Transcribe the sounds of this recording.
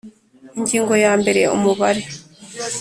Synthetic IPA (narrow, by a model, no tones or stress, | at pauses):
iɲɟiːŋɡo̞jaːmbe̞ɾeṵmuβaɾe̞